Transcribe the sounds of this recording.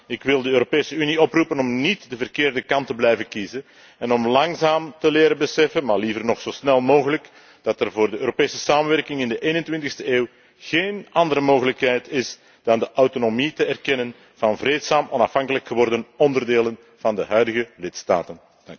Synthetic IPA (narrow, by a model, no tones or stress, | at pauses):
ɪkʋɪlˠdəøːɾopeːsəyniɔprupənɔmnitdəvərkeːrdəkɑntəblɛjvənkizən | ɛnɔmlɑŋzaːmtəleːɾəbəsɛfənmaːrlivərnɔxsoːsnɛlˠmoːɣələk | d̥ɑtərvoːrdəøːɾopeːsə̥saːmənʋɛrkɪŋɪndəʔeːnəntʋɪntɪxstəeːw | ɣ̥eːnɑndəɾəmoːɣələkɦɛjtɪs | d̥ɑndəʔawtonomitəɛrkɛnən | v̥ɑnvreːtsaːmʔɔnɑfhɑŋkələkxəʋɔrdənɔndərdeːlən | v̥ɑndəɦœɥdəɣəlɪtsta̰ːtən̥